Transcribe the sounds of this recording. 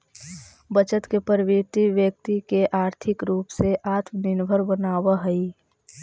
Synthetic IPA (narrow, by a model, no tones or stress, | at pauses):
bət͡ʃət̪kepəɾʋet̪iʋjək̚t̪ikeʔaːɾt̪ʰɪkɾuːpseʔaːt̪mnɪnbʱəɾbənaːwaɦəi